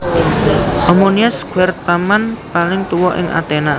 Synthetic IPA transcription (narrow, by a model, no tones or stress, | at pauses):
ʔɔmoniasɡ̥wɛrt̪amanpalɪŋt̪uwɔʔɪ̰ŋʔa̰t̪ena